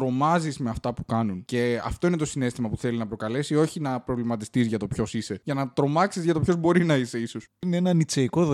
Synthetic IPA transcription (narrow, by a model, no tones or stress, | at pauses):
ɾo̞mɐzizme̞ɐft̪ɐpukɐnunce̞ɐ̰ft̪o̞ine̞t̪o̞sine̞st̪imɐpuθe̞linɐpɾo̞kɐle̞sio̞çinɐpɾo̞vlimɐt̪ist̪izʝɐt̪o̞pço̞sise̞ʝɐnɐt̪ɾo̞mɐksizʝɐt̪o̞pço̞zbo̞ɾinɐise̞isosineenɐnit͡seiko̞ðo